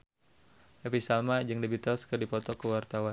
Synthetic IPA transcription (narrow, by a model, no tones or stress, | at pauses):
ʔepisalmad͡ʒɨŋdibit̪askərdipɔt̪okəwart̪awan